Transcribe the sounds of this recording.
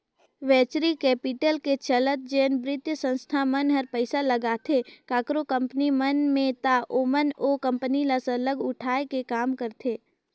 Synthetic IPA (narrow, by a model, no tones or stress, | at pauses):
ʋɛːt͡ʃɾikɛːpɪʈəlket͡ʃələt̪̚d͡ʒeːnbɾɪt̪jəsə̃nst̪ʰamənɦəɾpəɪsaləɡaːt̪ʰekaːkɾokə̃mpənimənmẽt̪aʔoːmənoːkə̃mpənilasələɡʊʈʰaːekekaːmkəɾt̪ʰeː